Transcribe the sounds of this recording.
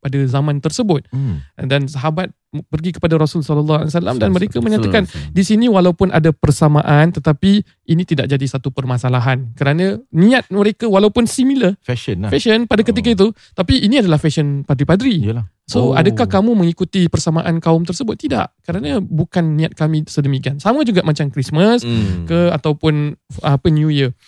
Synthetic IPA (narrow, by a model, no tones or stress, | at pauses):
padazamãnt̪ərsəbʊt̪̚dansaɦabat̪̚ | pərɡikə̥padaɾɔsulsɔləlːɔhalisala̰mdanməɾekaməɲat̪akandisinĩwalawpʊnʔa̰dapərsamaʔant̪ət̪api | ʔinĩt̪idaʔ̚d͡ʒadisat̪upərmasalaɦankəɾanãnĩat̪̚məɾekawalawpʊnsimiləfɛʃəfɛʃənpadakət̪̬ikait̪̬ut̪apiʔiniadalahfɛʃənpad̪ɾipadɾi | soa̰dakahkamumə̃ŋikut̪ipərsamaʔankaʊmt̪ərsəbʊt̪ːida̰ʔkəɾanãbukanːĩat̪̚kamĩsədəmikiansamad͡ʒuɡaʔmat͡ʃamkɾisməskəat̪awpʊnapənjujə